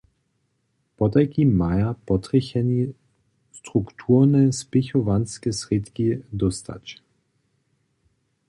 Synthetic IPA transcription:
pɔt̪ajkimːajapɔt̪ʁiçɛni | st̪ʁukt̪ʰuːʁnɛspɪxɔvanskɛsʁit̪kid̪ɔst̪a̰t͡ʃ

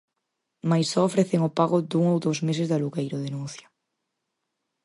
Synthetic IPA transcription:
majsːɔofɾeθeŋʊpaɣʊd̪uŋowðowzmes̬ɪzðaluɣejɾoðenun̟θja

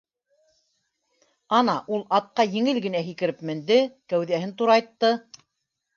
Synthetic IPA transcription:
ɑnɑʔulˠɑt̪̚qɑjɘ̆ŋɘlɡɘ̆næɦikɘ̆ɾɘpmɘ̆nd̪ɘkæwðæhɘnt̪uɾɑjt̪ːɤ

